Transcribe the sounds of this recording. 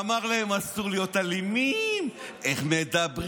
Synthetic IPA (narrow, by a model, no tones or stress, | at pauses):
maʁlahe̞masuʁlijo̞talimime̞χme̞d̪abʁ